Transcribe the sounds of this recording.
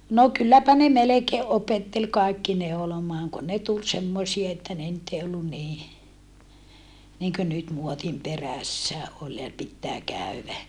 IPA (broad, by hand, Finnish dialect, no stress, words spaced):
no kylːæpæ ne melekeː opetːel kɑikːi neolomɑːŋ kun ne tul semːosie etːæ ne nyt ei olːun niː niŋkø nyt muotim peræsːæ ol jɑ pitːæː kæˑyʋæ